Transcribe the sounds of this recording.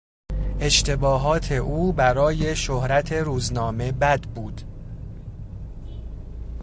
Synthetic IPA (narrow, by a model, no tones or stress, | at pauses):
ʔe̞ʃt̪ʰe̞bɒːɦɒːt̪ʰe̞ʔuːbæɾɒːje̞ʃohɾæt̪ʰe̞ɾuːznɒːme̞bæd̪buːd̪̥